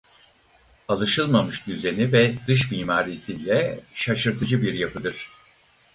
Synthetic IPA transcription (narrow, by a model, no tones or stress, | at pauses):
alˠɯʃɯlˠmamɯʃd̪yze̞nivɛd̪ɯʃ̬miːmaːɾisilʲɛʃaʃɯɾt̪ʰɯd͡ʒɯbiɾjapʰɯd̪ɯɾ̝̥